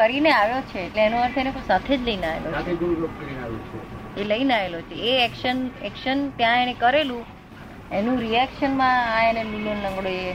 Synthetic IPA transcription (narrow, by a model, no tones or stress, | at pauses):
kəɾineaʋjot͡ʃʰeːʈleenũaɾt̪ʰenekosat̪ʰed͡ʒləinaḛlʔot͡ʃaeduɾokkəɾinaʋṵt͡ʃʰḛeləinaelot͡ʃʰeːɛkʃənɛkʃənt̪jãenekəɾelũ | enũɾiɛkʃənmããenemiljonlə̃ŋɡɽoje